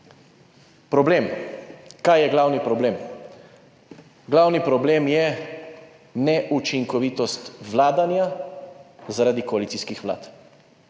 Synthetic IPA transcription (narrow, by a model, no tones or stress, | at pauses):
pɾɔbleːm | kajɛɡlawnipɾɔbleːm | ɡlawnipɾɔbleːmjɛ | nɛʔut͡ʃiŋkɔʋit̪ɔst̪ʋlaːd̪anja | zaɾad̪ikɔalit̪siskixʋla̰ːt̪